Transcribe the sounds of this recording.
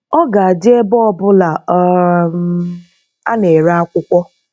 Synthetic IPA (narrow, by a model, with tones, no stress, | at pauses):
ɔ˦ɡa˨a˨d͡ʒɪ˦e˦bɔ˦ɔ˦bʊ˦la˨˦ | a˦ne˨ɾa˦a˦kʷʊ˦kʷɔ˦